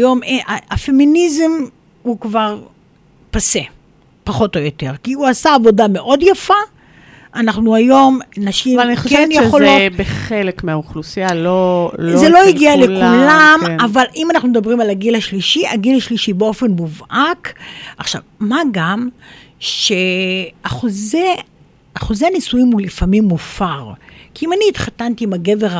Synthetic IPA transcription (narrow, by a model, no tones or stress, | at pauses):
jo̞meaafe̞minizem | hukvaʁ | pase | paχo̞tojo̞te̞ʁkiuasaːvo̞dame̞ʔo̞djafa | ʔːnaχnuajo̞mnaʃimaaniχokeɛnjeχolobeχelekmeauχlusialolzelo̞iɡialekulamavalʔimanaχnumed̪abʁimalaɡilaʃliʃiaɡilaʃliʃibeo̞fe̞nmuvʔakʔaχʃa̰vmaɡam | ʃeaχoze | aχo̞zeanisujimulifamimːufaʁkiimaniːt̪χatant̪iːmaɡe̞veʁa